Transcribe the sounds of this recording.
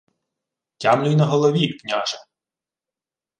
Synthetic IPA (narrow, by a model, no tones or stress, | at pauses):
tʲamlʲʊjnɐɦɔlˠɔʋʲiknʲaʒɐ